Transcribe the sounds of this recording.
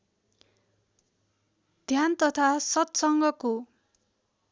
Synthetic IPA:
d̪ʱjant̪ʌt̪ʰasʌt̪sʌŋɡʱʌko

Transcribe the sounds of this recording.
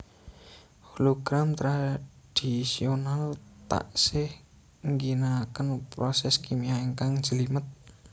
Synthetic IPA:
holoɡ̥ɾamt̪ɾa | d̥isionalt̪a̰ʔsɪh | ŋɡinakənpɾosɛskimiaeŋkaŋ̥d͡ʒ̥əlimət̪̚

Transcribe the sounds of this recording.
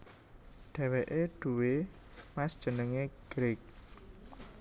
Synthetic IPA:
ɖ̥ɛ̤weʔeɖ̥ṳwe | masd̥ʒ̥ə̤nəŋeɡ̥ɾɪk̚

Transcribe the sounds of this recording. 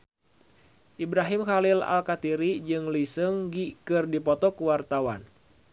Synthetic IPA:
ʔibɾaɦimkalila̰lkat̪iɾid͡ʒɨŋlisɨŋɡikɨrdipɔt̪ɔkuwart̪awan

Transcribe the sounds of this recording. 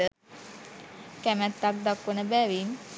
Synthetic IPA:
ə | kæmæt̪ːak̚d̪akːunəbæʋin

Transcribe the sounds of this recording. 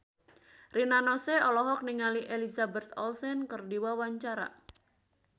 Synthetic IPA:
rinanɔseɔlɔɦɔk̚niŋaliʔelizabɛt̪̚ɔlsɛnkɨrdiwawaɲt͡ʃaɾa̰

